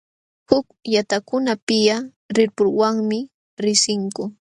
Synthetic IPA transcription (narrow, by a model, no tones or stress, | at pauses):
hʊkjat̪akʊnapɪja | ɾɪɾpʊɾwaŋmɪ | ɾɪsɪŋkʊ